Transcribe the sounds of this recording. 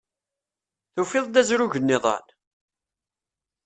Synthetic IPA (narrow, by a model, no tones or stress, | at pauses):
θufɪðˤd̪æzɾuʝənːɪðˤɑ̰n